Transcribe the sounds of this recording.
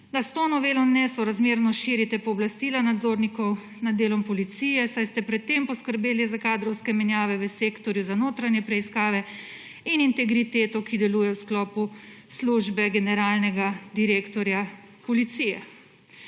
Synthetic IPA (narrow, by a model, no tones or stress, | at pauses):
d̪ast̪oːnɔʋeːlɔnɛsɔɾazmeːɾnɔʃiːɾit̪ɛpɔːblast̪iːlanad̪zoːɾnikɔw | nad̪dːeːlɔmpɔlit̪siːjɛsajst̪ɛpɾɛt̪ːempɔskəɾbeːlizakaːd̪ɾɔwskɛmɛnjaːʋɛʋəseːkt̪ɔɾjuzanoːt̪ɾanjɛpɾɛiskaːʋɛ | inint̪ɛɡɾit̪eːt̪ɔkid̪ɛluːjɛwsklɔːpusluʒbɛɡɛnɛɾaːlnɛɡad̪iɾeːkt̪ɔɾjapɔlit̪sijɛ